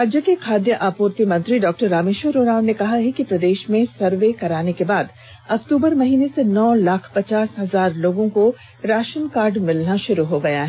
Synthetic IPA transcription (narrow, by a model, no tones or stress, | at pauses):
ɾaːd͡ʒjəkekʰaːd̪jəʔaːpuːɾt̪imɐ̃nt̪ɾiɖɔːk̚ʈəɾːaːmeːʃəɾoːnaːʊ̃nnekɐɦaɦɛkipɾɐd̪eːʃmẽsɐɾʋekɐɾaːnekebaːd̪ | ɐkt̪uːbəɾmɐɦiːnesenɔːlaːkʰpɐt͡ʃaːsɦɐzaːɾloːɡõko | ɾaːʃənkaːɾɖmɪlnaʃʊɾuɦoɡɐjaɦɛ